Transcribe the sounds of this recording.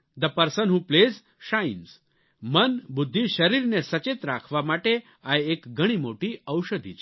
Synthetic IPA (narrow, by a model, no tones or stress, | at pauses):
d̪əpəɾsənɦũplez | ʃajins | mənbud̪ʱːiʃəɾiɾnesət͡ʃet̪ɾakʰʋamaʈe | ajekɡʱəɽ̃imoʈiəwʃəd̪ʱḭt͡ʃ